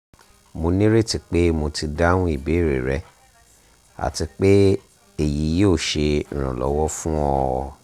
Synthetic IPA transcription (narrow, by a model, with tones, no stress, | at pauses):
mo˧nĩ˦ɾe˦˨ti˧k͡pe˦mo˧ti˧da˦nũ˦i˦˨be˨˦˨ɾe˨ɾɛ˨˦ | a̰˨ti˧k͡pe˦ | e˨ji˨˦jo˦˨ʃẽ˧˨ɾ̃ã̰˨lɔ̰˨˦wɔ˦fũ˦ɔ̃˧